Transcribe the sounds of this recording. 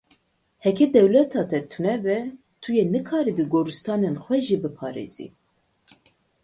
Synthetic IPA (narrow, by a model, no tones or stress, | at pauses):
hɛkʰɛd̪ɛwlɛt̪ʰɑːt̪ʰɛt̪ʰunɛvɛ | t̪ʰujeːnɨkʰɑːɾid̪ɨɡoːɾɨst̪ʰɑːnenxʷwɛʒibɨpʰɑːɾḛːz̥ḭ